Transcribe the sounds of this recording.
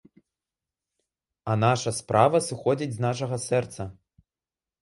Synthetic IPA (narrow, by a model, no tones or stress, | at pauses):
ɐnaʂɐspɾʔavɐsɨxɔd͡zʲid͡zʲznaʂ̬ɐɣɐsɛrt̪sɐ